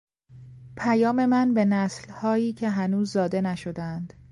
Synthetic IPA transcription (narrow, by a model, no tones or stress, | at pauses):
pʰæjɒːme̞mænbe̞næslhɒːiːcʰe̞ɦænuːzːɒːd̪e̞næʃo̞d̪æænd̪̥